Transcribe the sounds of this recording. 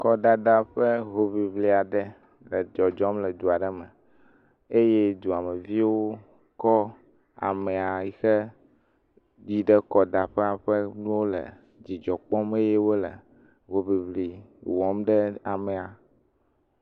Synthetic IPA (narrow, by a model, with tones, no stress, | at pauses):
kɔ˨da˨ɖa˦ɸɛ˦ɦo˨βi˨βli˨a˨ɖɛ˦ | lɛ˨d͡ʒɔ˨d͡ʒɔ˦mlɛ˨d̪u˨a˨ɖɛ˦mɛ˨ | e˦je˦d̪u˨a˨me˨vi˦wo˦ | kɔ˦ | a̰˨mɛ˨a˨i˨xɛ˦ | di˦ɖɛ˦kɔ˨d̪a˨ɸɛ˦a˨ɸɛ˦nũ˦wo˦lḛ˨ | d͡ʑi˨d͡ʒɔ˨k͡pɔ˦me˦je˦wo˦lḛ˨ | ɦo˨bi˨βli˨wɔ˨˦mɖɛ˦a˨mɛ˨a˨